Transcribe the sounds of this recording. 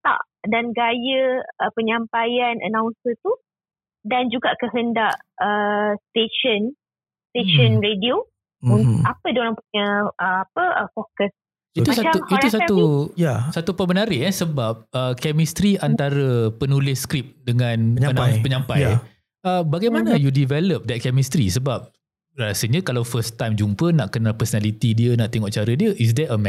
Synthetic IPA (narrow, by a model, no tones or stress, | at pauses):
t̪a̰ʔ | danɡajəəpəɲampajanʔə̰nawnsət̪u | dand͡ʒuɡaʔkəɦəndaʔəst̪eʃən | st̪eʃənɾedio | unapədoɾaŋpuɲə̃ʔəapəəfokəs | iusaauiɾusat̪ujasat̪upəmənaɾɪɛnsəbap̚əkɛmist̪ɾiant̪aɾəpənulɪskɾip̚dəŋãnəaənapəɲãmpaj | əbaɡajmanajudivɛləp̚dɛt̪̚kɛmist̪ɾḭsəbap̚ | rasəɲə̃kalawfəst̪ajmd͡ʒumpənaʔkənalpəsonalit̪idiənaʔt̪eŋɔʔt͡ʃaɾədiəʔis̬dɛəmɛ